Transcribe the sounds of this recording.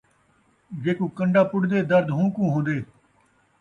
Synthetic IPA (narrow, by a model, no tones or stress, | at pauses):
ɡeːkũːkəɳɖaːpʊɽd̪eːd̪əɾd̪ɦũːkũːɦõːd̪eː